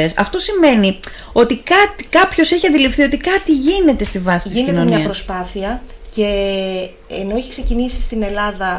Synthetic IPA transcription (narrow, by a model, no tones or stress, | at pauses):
esɐ̰ft̪o̞sime̞ni | o̞t̪ikɐt̪i̥kɐpço̞se̞çiɐnd̪ilifθio̞t̪ikɐt̪iʝine̞t̪e̞st̪ivɐsit̪isninonmnɲɐiɐspɾospɐθiɐ | ce̞ː | no̞içi̥kse̞cinisist̪ine̞lɐðɐ